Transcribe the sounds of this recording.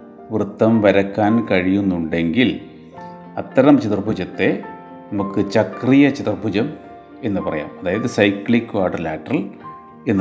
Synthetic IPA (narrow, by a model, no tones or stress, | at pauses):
ʋrɨt̪ːɐmʋɐɾɐkːaːnkɐɻijunːuɳɖe̞ŋɡil | ɐt̪ːɐɾɐmt͡ɕit̪irbʱud͡ʑɐt̪ːe̞ | nɐmukːɨt͡ɕɐkrijɐt͡ɕit̪rbʱud͡ʑɐm | e̞nːɨpɐrɐ̰ja̰ːmɐðaːjɐðɨsɐjkɭikːwaːrɖɐrlaːʈːrɐl | e̞nː